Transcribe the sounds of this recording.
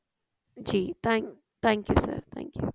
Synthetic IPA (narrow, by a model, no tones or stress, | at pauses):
d͡ʒiːt̪ãŋ | t̪ʰæ̃ŋkjusə̰ɾt̪ʰæ̰̃ŋkjṵ